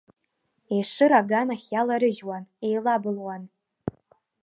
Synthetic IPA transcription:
ejʂɨɾaɡanaχʲjalaɾɨʒwane̞jlabɨlwan

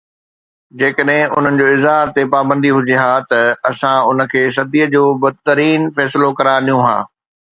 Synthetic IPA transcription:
d͡ʑeːkəɗɦɪ̃ʊ̰n̤ənɪ̆d͡ʑoːɪzɦaːɾt̪epaːbə̃nd̪iɦʊd͡ʑiɦaːt̪ɐɐsãʊnə̆kʰeːs̬ɐd̪ʱiːəd͡ʑoːbɐd̪̚t̪ɐɾiːnfɛːsɪlokɐɾaɗĩjũɦa̰ː

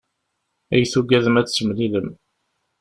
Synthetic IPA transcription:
æjθuɡæðəmæt͡sːsəmliləm

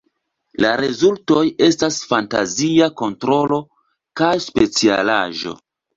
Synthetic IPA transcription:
laɾezulto̞je̞stasfanta̰ziako̞ntɾo̞lo̞ | kajspe̞t͡siala̰ʒo̞̰

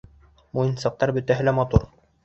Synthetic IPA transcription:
mujɤ̆nsɑq̚t̪ɑɾbɵ̆t̪æɦɘlæmɑt̪uɾ

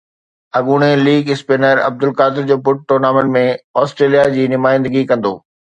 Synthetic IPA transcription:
ɐɠuɽ̃eliːɡɪspeːnəɾɐ̰b̚d̪ʊlkaːd̪ɪɾd͡ʑoːbʊʈ̚ʈoːɾnaːmə̃ɳʈmẽɔːsʈɾeːlijad͡ʑiːnʊmaːɪ̃nd̪əɡikɐ̃nd̪o̰ː

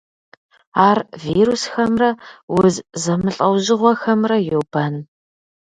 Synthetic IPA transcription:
aːrviːɾusxɐmrɐwʊzzɐmɨɬʼɐwʑɪʁʷɔxɐmrɐjowbʰaːn

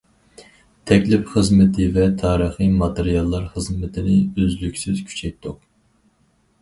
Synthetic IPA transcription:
t̪ʰɛkʲlɪpχəzmɨt̪ʰɪvɛt̪ʰɑːɾəχɨmɑt̪eɾijɑlˠːɑɾχəzmɪt̪ʰɪnɪøzlykʲsɪz̥kʲʰy̥t͡ʃʰɛjt̪ʰːʊq

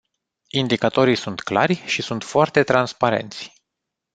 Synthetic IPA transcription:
ind̪ikat̪o̞ɾijsunt̪kla̰rʲʃisunt̪foart̪e̞t̪ɾanspaɾe̞̰nt̪sʲ

